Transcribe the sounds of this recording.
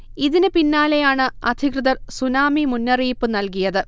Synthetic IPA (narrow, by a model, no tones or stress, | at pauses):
iðinɨpinːaːle̞jaːɳɨɐd̪ʱikrɨðɐrsunaːmimunːɐriːpːɨnɐlk̬ijɐðɨ